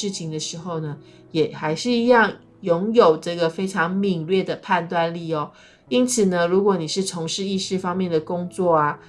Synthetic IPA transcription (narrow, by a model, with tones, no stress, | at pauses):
ɻ̩˥˩t͡ɕʰi˨˥ŋd̪ə˧ʂɻ̩˧˥xo˥˩ʊnə˩ | jɛ˨˩xa˧˥ɪʂɻ̩˥˧i˧˥jɑ˥˩ŋ | jʊ˧˥ŋjo˨˩ʊʈ͡ʂɤ˥˩ɡə˩fe˥ɪʈ͡ʂʰɑ˧˥ŋmi˨˩ŋlɥɛ˥˩d̪ə˩pʰa˥˧nt̪wa˥˧nli˥˩ɔ˨˩ | i˥nt͡sʰɹ̩˨˩nə˦ɻu˧˥kwɔ˧˥˦ni˨˩ʂɻ̩˥˩ʈ͡ʂʰo˧˥ŋʂɻ̩˥˧i˥˧ʂɻ̩˥˧fɑ˥ŋmjɛ˥˩nd̪ə˩kʊ˥ŋt͡swɔ˥˩a˩